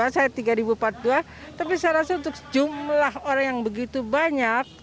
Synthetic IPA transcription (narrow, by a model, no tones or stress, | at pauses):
asajat̪iɡaɾibupat̪̚dua | t̪apisajɾasaunt̪ʊkd͡ʒumlaɦoɾaŋjaŋbəɡit̪ubaɲak̚